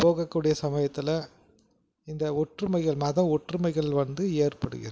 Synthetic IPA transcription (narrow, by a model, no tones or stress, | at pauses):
poːɣɐkːuːɽɪjɐsɐmɐjɐt̪ːɪlɐ | ɪnd̪ɐʊʈrɯmɐɪɣɐɭmɐðɐ̃ɔʈrɯmɐɪɣɐɭʋɐnd̪ɯeːrpɐɽɯ̰ɣɪ̰ɾɐ